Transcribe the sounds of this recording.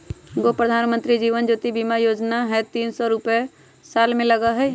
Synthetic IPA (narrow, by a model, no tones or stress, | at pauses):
ɡopɾəd̪ʱaːnmə̃nt̪ɾid͡ʒiːʋənd͡ʒoːt̪ibimajoːd͡ʒnaɦɛt̪iːnsɔɾʊpe | saːlmẽlɐɡaɦɛ